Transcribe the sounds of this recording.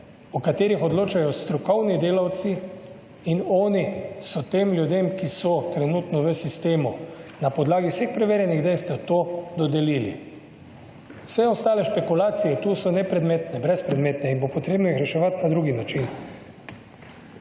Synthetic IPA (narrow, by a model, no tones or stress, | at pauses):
ukat̪eːɾixɔd̪loːt͡ʃajɔst̪ɾɔkɔwnid̪eːlawt̪si | inɔːnisɔt̪eːmljud̪emkisɔt̪ɾɛnuːt̪nɔʋəsist̪eːmunapɔd̪laːɡiwsexpɾɛʋeːɾjɛniɣd̪ejst̪ɛwt̪od̪ɔd̪ɛliːlḭ | w̥sɛɔst̪aːlɛʃpekulaːt̪sijɛt̪uːsɔnɛpɾɛd̪meːt̪nɛbɾɛspɾɛd̪meːt̪nɛinbopɔt̪ɾeːbnɔixɾɛʃɛʋat̪nad̪ɾuɡinat͡ʃin